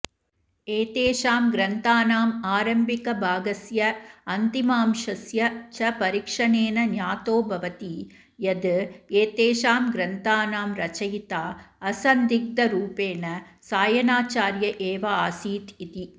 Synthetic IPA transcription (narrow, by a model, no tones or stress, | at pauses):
eːt̪eːʂaːmɡɾɐnt̪aːnaːmaːɾɐmbɪkɐbʱaːɡɐsjɐɐnt̪imaːmʂɐsjɐt͡ʃɐpɐɾikʂɐneːnɐnjaːt̪oːbʱɐʋɐt̪i | jɐd̪ɯeːt̪eːʂaːmɡɾɐnt̪aːnaːmɾɐt͡ʃɐjt̪aːɐsɐnd̪ɪk̚d̪ɐɾuːpeːnɐsaːjɐnaːt͡ʃaːɾjɐʔeːʋɐaːsiːt̪it̪i